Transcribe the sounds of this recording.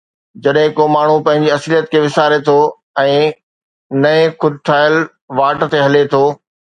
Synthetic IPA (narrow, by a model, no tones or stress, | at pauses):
d͡ʑɐɗɦɪ̃koːmaːɳ̤upɐ̃ɦɪ̃ɲd͡ʑiɐslijət̪kʰeːʋɪsaːɾet̪ʰo | ɛ̃ː | nɐẽxʊd̪̚ʱt̪ʰaːɪəl | ʋaːʈt̪eɦɐlet̪ʰoː